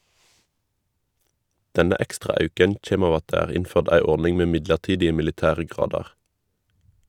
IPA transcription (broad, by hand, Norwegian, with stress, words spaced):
ˈdɛnə ˈɛkstʁɑ ˈɑʉkən ˈçeːm ˈɑː ˈɑt ˈdæː ˈæːʁ ˈɪnføːʁd ˈæɪ ˈɔʁnɪŋ ˈmeː ˈmɪdləʁˌtiːdɪə mɪlɪˈtæːʁə ˈɡʁɑːdɑʁ